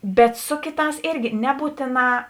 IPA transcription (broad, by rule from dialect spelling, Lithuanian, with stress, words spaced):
bʲɛt ˈsʊ kʲeːˌtɑːs ˈɪrʲɡʲɪ ˈnʲæːbuːtʲeːˌnɑː